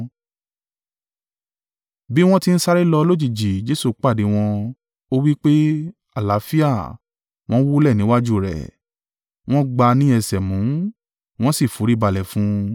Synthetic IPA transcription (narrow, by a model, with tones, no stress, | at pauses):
bi˦w̃ɔ̃˦ti˦n̩˦sa˧ɾi˦lɔ˧lo˦d͡ʒi˦˨d͡ʒi˨d͡ʒe˨˦su˦˨k͡pa˦˨de˨˦w̃ɔ̃˧ | o˦wi˦k͡pe˦ | a˦˨la˨˦fi˦a˦˨ | w̃ɔ̃˦wo˦lɛ˦˨nĩ˨˦wa˦d͡ʒu˦˨ɾɛ̰˨ | w̃ɔ̃˦ɡ͡ba˧nĩ˦ɛ˧sɛ˨mũ˨˦ | w̃ɔ̃˦si˦˨fu˨˦ɾi˦ba˧lɛ˨fũ˨˦